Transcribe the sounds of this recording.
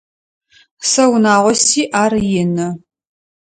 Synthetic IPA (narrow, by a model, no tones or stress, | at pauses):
sɐwnaːʁʷɔsiːʔaːrjɪnɐ